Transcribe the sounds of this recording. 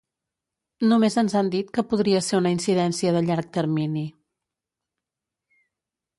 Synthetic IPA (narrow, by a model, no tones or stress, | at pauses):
numezənzand̪it̪̚kəpuð̞ɾiəseɾunəinsiðɛnsiəðəʎaɾk̚t̪əɾmini